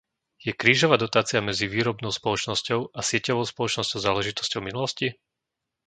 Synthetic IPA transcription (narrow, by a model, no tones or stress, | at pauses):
jɛkɾiːʒɔʋaːd̪ɔt̪aːt͡sɪamɛd͡ziʋiːɾɔbnɔʊspɔlɔt͡ʃnɔscɔʊʔasɪɛcɔʋɔʊspɔlɔt͡ʃnɔscɔʊzaːlɛʒit̪ɔ̥scɔʊminulɔsci